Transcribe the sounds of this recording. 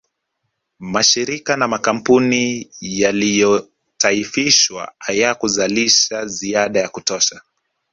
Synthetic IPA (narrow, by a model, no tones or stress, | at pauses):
maʃiɾikanamakam̩punijalijɔ | taifiʃwa̰ajakuzaliʃaziaɗajakutɔʃa